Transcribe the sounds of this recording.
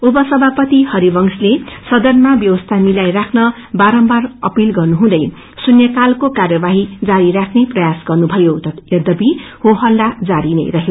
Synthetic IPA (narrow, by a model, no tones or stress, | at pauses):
ubʌsʌbʱapʌt̪ihʌɾibʌŋslesʌd̪ʌnmabjʌwʌst̪ʰamilajɾakʰnʌ | baɾʌmbarʌ̰pilɡʌrnuɦũd̪ʌj | sunjʌkalkokarjʌbaɦid͡zaɾiɾakʰneprʌjasɡʌrnubʱʌjot̪ʌjʌd̪ʌbihoɦʌlːad͡zaɾinḛrʌɦje